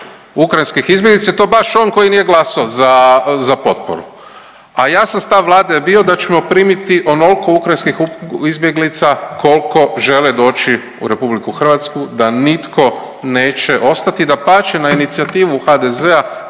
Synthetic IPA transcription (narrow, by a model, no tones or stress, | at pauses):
ukɾajinskixizbʲje̞ɡlit̪saet̪o̞baʃo̞ːnko̞jinijeɡlˠasoozazapo̞t̪̚po̰ɾṵ | ajaːsamst̪aʋʋlˠaːd̪ejebio̞d̪at͡ʃemo̞pɾiːmit̪iʔo̞nolkoukɾajnskixuizbje̞ɡlit̪sako̞lko̞ʒe̞led̪o̞ːt͡ʃi | ṵɾe̞publikuxr̩ʋat̪skud̪anit̪ko̞ | neːt͡ʃeʔo̞st̪at̪id̪apaːt͡ʃenainit̪siat̪iːʋuxad̪eze̞a